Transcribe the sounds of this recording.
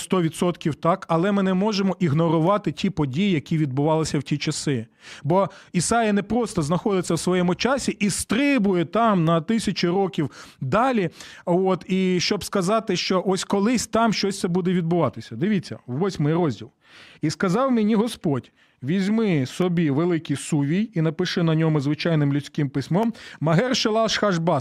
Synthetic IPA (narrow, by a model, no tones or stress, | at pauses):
st̪ɔʋʲid̪sɔt̪kʲiwt̪ɑkɐlˠɛmɪnɛmɔʒemɔʔiɦnɔɾʊʋɑt̪ɪtʲipɔdʲijijɐkʲiʋʲid̪̚bʊʋɑlˠɪsʲɐwtʲit͡ʃɐsɪ | bɔisɑjɐnɛpɾɔst̪ɔznɐxɔd̪ɪt͡sʲːɐwsʋɔjɛmʊt͡ʃɑsʲiʔist̪ɾɪbʊjɛt̪ɑmnɐt̪ɪsʲɐt͡ʃɪɾɔkʲiwd̪ɑlʲiot̪iʃt͡ʃɔbskɐzɑt̪ɪʃt͡ʃɔʔɔsʲkɔlˠɪsʲt̪ɑmʃt͡ʃɔsʲt̪sɛbud̪ɛʋʲid̪̚bʊʋɑt̪ɪsʲɐd̪ɪʋʲit͡sʲːɐ̰ʋʋɔsʲmɪjrɔzʲdʲilˠ | iskɐzɑwmenʲiɦɔspɔdʲ | ʋʲizʲmɪsɔbʲiʋelˠɪkijsuʋʲijinɐpɪʃɪnɐnʲɔmʊzʋɪt͡ʃɑjnɪmlʲʊt͡sʲkɪmpɪsʲmɔmmɐɦɛrʃɪlˠɑʃxɐʒbɑs